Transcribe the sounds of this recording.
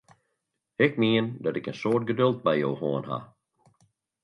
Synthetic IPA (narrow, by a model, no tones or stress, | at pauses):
ɛkmiəndɔtɪkənsoːrt̚ɡədølˠt̚bɛjjoːhoənɦa̰